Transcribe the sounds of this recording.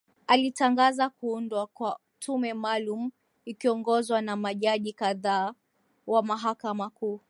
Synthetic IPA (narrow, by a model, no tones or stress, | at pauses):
alitaŋɡazakuundwakwa | tʰumɛmalumu | ikiɔŋɡɔzwanamaʄaʄikaðaː | wamaɦakamakuː